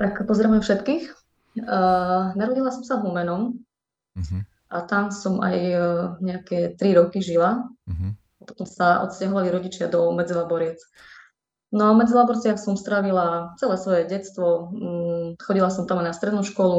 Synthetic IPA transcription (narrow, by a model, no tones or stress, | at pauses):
t̪akpɔzɛɾamɛfʃɛt̪kiːx | naɾɔɟilasɔmsaɦumɛnɔm | ʔat̪amsɔma̰jɲɛakɛt̪ɾiɾɔkiʒila | apɔ̥t̪ɔmsaʔɔ̰t̪scaɦɔʋaliɾɔɟit͡ʃɪad̪ɔmɛd͡zilabɔɾɪɛt͡s | nɔaɔmɛd͡zilabɔɾt͡sɪaxsɔmst̪ɾaʋilat͡sɛlɛːsʋɔjɛɟɛtt͡st̪ʋɔ | xɔɟilasɔmt̪amajnast̪ɾɛd̪nuʃkɔlu